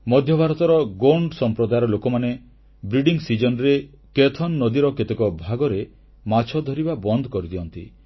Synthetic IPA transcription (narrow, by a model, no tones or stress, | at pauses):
mɔd̪ʱjɔbʱaɾɔt̪ɔɾɔɡoɳɖsɔmpɾɔd̪ajɾɔlokɔmane | bɾiɖiŋsid͡ʒɔnɾe | ket̪ʰɔnːɔd̪iɾɔket̪ekɔbʱaɡɔɾe | mat͡ʃʰɔd̪ʱɔɾibabɔnd̪ʱɔkɔɾid̪iɔnt̪i